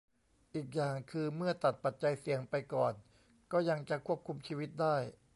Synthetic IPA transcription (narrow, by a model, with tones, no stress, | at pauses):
ʔiː˨˩k̚jaː˨˩ŋkʰɯː˧mɯ˥˩ɐt̪a˨˩t̪̚pa˨˩t̪̚t͡ɕa˧jsi˨˩˦əŋpa˧jkɔː˨˩n | kɔː˥˩ja˧ŋt͡ɕa˨˩kʰu˥˩əp̚kʰu˧mt͡ɕʰiː˧wi˦˥t̪̚daː˥˩j